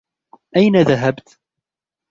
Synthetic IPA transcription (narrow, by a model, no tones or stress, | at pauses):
ʔajnaðaɦabt̪